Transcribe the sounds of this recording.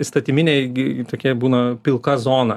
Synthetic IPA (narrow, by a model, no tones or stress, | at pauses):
st̪ɐt̪ʲɪmʲɪnʲeːɪt̪oːkʲiɛbuːnɐpʲɪlˠkɐzoːnɐ